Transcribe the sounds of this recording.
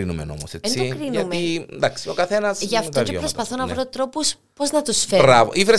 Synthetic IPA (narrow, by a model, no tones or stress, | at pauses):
inumeno̰moseenssiokɾinuɐmeid̪ɐksiokɐθenɐsʝɐft̪oeopɾostpɐθonɐvɾot̪ɾo̞pus | poznɐt̪usfebɾɐvo̰ʔifɾe